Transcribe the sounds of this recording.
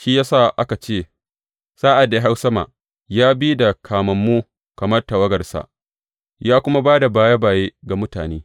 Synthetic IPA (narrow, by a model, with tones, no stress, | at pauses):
ʃiː˦jaː˦saː˦˨ʔa˦ka˨t͡ʃeː˦˨ | saː˦ʔa˨da˨˦ɦa˦wsɐ˦ma̰ː˨ | jaː˦biː˦da˨kʰaː˨mɐ˨mːuː˦ | kɐ˨mɐ˦rta˨wɐ˦ɡɐ˨rsa̰˨ʔ | jaː˦kʷʊ˦ma˦baː˦da˨baː˦ja˦baː˨jeː˦ɡa˨mʊ˦taː˨neː˦